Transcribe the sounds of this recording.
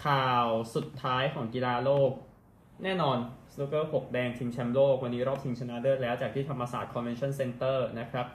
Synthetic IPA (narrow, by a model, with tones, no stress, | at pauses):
kʰaː˨˩wsu˨˩t̪ʰːaː˦˥jkʰɔː˩˦ŋki˧laː˧loː˥˩k̚ | nɛː˥˩nɔː˧nsuː˦˥kɤː˥˩hʰo˨˩k̚bɛː˧ŋt̪ʰi˧ŋt͡ɕʰɛ˦˥mloː˥˩k̚wa˧nːiː˦˥ɾɔː˥˩p̪̚ʰi˧ŋt͡ɕʰa˧na˦˧˥dɤː˥˩t̪̚lɛː˦˥wt͡ɕaː˨˩k̚t̪ʰiː˥˩t̪ʰa˧mʔaː˧saː˨˩t̪̚kʰɔ˧nwe˧nt͡ɕʰɔ˥˩nse˧nt̪ɤː˥˩na˦˥kʰɾa˦˥p̚